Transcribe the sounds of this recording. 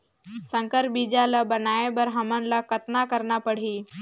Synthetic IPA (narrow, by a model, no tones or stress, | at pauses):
sə̃ŋkəɾbid͡ʒalabənaebəɾɦəmənlakət̪nakəɾnapəɽ̤iː